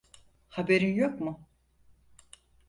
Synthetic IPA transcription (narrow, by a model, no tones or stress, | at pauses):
habeɾinjokmʊ